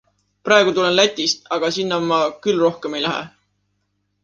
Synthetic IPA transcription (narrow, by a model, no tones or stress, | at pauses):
prɑˑe̞ɡ̥ut̪ule̞nlæt̪ʲːˑist̪ɑɡ̥ɑsinːɑmɑkylro̞hke̞me̞jlæɦḛ